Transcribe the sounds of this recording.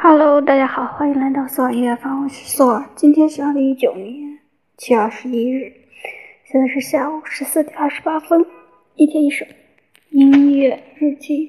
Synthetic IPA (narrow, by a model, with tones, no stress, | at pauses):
xa˨˩lo˧˥ʊt̪a˥˧˩t͡ɕja˥xɑ˨˩˦ʊxwa˧˥i˧˥ŋla˧˥ɪt̪ɑ˥˧ʊsɔ˥˩˨i˧˥ɥɛ˥˩fa˧˥˩wɔ˨˩t͡ɕswɔ˥˩˨t͡ɕi˥nt̪ʰjɛ˥nɕi˨˩ɑ˥˩d̪ə˧i˥˩t͡ɕjo˨˩ʊnjɛ˧˥n | t͡ɕʰi˥ə˞˥˧˩ʂɻ̩˧˥i˥ɻ̩˥˩ | ɕjɛ˧˥nt͡sa˧ʂ̬̩˥˧ɕja˥˩u˨˩ʂɻ̩˧˥sɹ̩˥˩t̪jɛ˨˩˦ə˞˥˩ʂɻ̩˧˥pa˥fə˥n | i˥˩t̪ʰjɛ˥ni˥˩ʂo˨˩˦ | i˥i˥ɥɛ˥˩ɻ̩˥˧t͡ɕi˥˩